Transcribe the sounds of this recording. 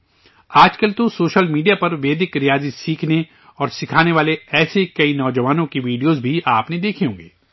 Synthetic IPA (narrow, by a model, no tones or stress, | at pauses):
aːd͡ʒkɐlt̪osoːʃəlmiːɖijapɐɾʋeːd̪ɪkɾijaːzɪsiːkʰne | ɔːɾsɪkʰaːneʋaːleɛːsekɐinɔːd͡ʒɐʋaːnõkiʋiːɖijozbʱiʔaːpned̪eːkʰiõːŋɡeː